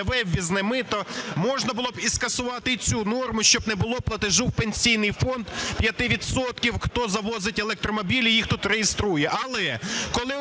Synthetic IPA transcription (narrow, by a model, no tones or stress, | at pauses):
ʋɛwʲːiznɪmɪt̪ɔmɔʒnɐbʊlˠɔbiskɐsʊʋɑt̪ɪt͡sʲunɔrmʊʃt͡ʃɔbnɛbʊlˠɔplˠɐt̪ɪʒuwpenʲsʲijnɪjfɔnd̪pjɐt̪ɪʋʲid̪sɔt̪kʲiwxt̪ɔzɐʋɔzɪtʲelˠɛk̚t̪ɾɔmɔbʲilʲijixt̪ut̪ɾejest̪ɾujɛʔɐlˠɛkɔlˠɪ